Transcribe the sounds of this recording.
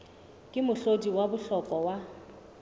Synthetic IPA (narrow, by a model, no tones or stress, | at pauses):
kʼɪmʊɬodiwabʊɬɔkʼɔwa